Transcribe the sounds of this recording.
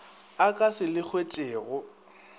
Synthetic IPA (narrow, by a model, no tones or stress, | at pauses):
akʼasɪlɪk͡xʰwet͡ʃʼeːɣʊ